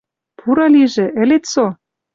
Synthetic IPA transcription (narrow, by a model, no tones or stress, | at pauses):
pʰuɾɑliʒĕʔɘ̆let̪so